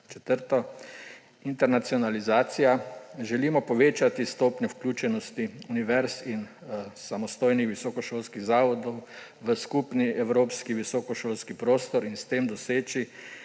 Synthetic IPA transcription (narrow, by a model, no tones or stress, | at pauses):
t͡ʃɛ̥t̪əɾt̪ɔ | int̪ɛɾnat̪siɔnalizaːt̪sijaʒɛliːmɔpɔʋeːt͡ʃat̪ist̪oːpnʲɛwklʲuːt͡ʃɛnɔst̪iuniʋɛɾsin | samɔst̪oːjnixʋisɔkɔʃoːlskiɣzaːʋɔd̪ɔw | ʋəskupniɛwɾoːpskiʋisɔkɔʃoːlskipɾoːst̪ɔɾinst̪eːmd̪ɔseːt͡ʃi